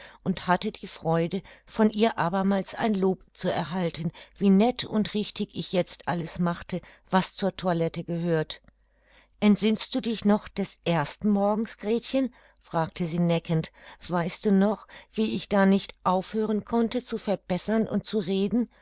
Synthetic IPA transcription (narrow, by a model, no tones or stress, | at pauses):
ʔʊnthatədiːfʁ̥ɔʏdəfɔnʔiːɐʔaːbɐmaːlsa̰ɪnloːpt͡suɛ̰ɐɦaltənviːnɛtʰʊntʁɪçtɪçɪçjɛt͡stʔaləsmaχtə | v̥ast͡suːɐtʰualɛtəɡəhøːɐt | ʔɛntz̥ɪnst̚d̥uːdɪçnɔχd̥ɛsʔeːɐstn̩mɔɐɡŋ̩sɡ̥ʁɛːtçən | fʁ̥aːk̚tʰəziːnɛkəntv̥aɪst̚d̥uːnɔχv̥iːɪçd̥aːnɪçtʔaʊfhøːʁ̞ənkʰɔntət͡sufɛɐb̥ɛsɐnʔʊ̰nt̚t͡suʁeːdn̩